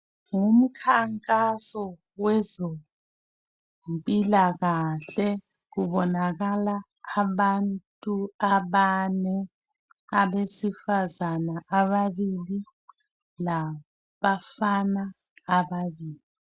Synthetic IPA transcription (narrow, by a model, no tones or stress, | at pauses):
ŋum̩kʰaŋkʼasɔ | wɛzo | mpʼilaɣaɬɛ | ɣuβɔnaɣalaː | βantʼuaβanɛ | aβesifazanaʔaβaβili | la | βafanaː | βaβiːli